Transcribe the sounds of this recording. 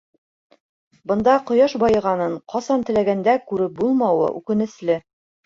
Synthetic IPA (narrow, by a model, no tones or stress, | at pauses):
bɤ̆nd̪ɑqŏjɑʃbɑjɤ̆ʁɑnɤɴqʰɑsɑnt̪ɘ̆læɡænd̪ækʉɾɘp̚bulˠmɑwɤ̰ʔʉkɘ̆nɘ̆slɘ